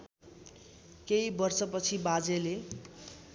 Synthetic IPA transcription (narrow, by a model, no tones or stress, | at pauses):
keibʌrsʌpʌt͡sʰibad͡zele